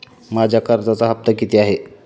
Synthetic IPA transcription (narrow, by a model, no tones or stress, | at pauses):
mad͡ʑʱjakəɾd͡zat͡saɦəp̚t̪əkit̪iaɦe